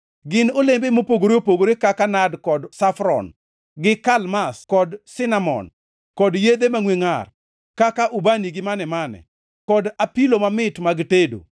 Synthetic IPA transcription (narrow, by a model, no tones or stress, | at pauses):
ɡɪnolembemopoɡoɾopoɡoɾekakanadkɔdsafɾɔ̰n | ɡɪkalmaskɔdsɪnamɔ̰n | kɔdjed̪emaŋweŋar | kakaʔubaniɡɪmanɛmanɛ̰ | kɔdapilomamɪtmaɡtedo̰